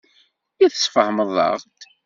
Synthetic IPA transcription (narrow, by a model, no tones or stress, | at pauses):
jiθə̥sfəhməðˤɑ̰ʁt̪